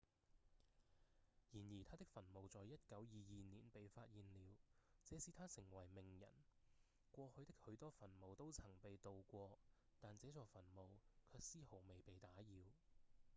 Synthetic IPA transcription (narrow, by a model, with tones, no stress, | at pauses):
jiː˨˩njiː˨˩t̪ʰaː˥t̪ɪ˥k̚fɐ˨˩nmo˨wt͡sɔː˨jɐ˥t̚kɐ˨˥wjiː˨jiː˨˧niː˨˩npe˨jfaː˧t̚jiː˨nliː˨˧wt͡sɛː˨˥siː˧t̪ʰaː˥sɪ˨˩ŋwɐ˨˩jmɪ˨˩ŋjɐ̰˨˩n | kʷɔː˧hɵ˧ɥt̪ɪ˥k̚hɵ˨˧˥ɥt̪ɔː˥fɐ˨˩nmo˨wt̪o˥wt͡sʰɐ˨˩ŋpe˨jt̪o˨wkʷɔː˧t̪aː˨nt͡sɛː˨˥t͡sɔː˨fɐ˨˩nmo˨wkʰœː˧k̚siː˥ho˨˩wme˨jpe˨jt̪aː˨˥jiː˨˧w